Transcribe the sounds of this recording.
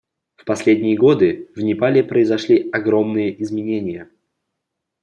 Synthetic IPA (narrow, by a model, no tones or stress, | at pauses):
fpɐsʲlʲedʲnʲɪjəɡo̞d̪ɨvnʲɪpalʲɪpɾəɪzɐʂlʲiɐɡɾo̞mnɨjəʔɪzmʲɪnʲenʲɪjə